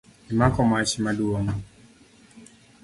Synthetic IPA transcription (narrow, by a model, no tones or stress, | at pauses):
imakɔmaʃimaduɔŋ